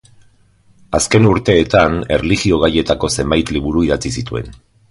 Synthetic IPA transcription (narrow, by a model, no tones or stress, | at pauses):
aske̞nuɾt̪e̞ːt̪ane̞rliɣio̞ɣaje̞t̪ako̞se̞mbajt̪liβ̞uɾuið̞at͡sisit̪ue̞̰n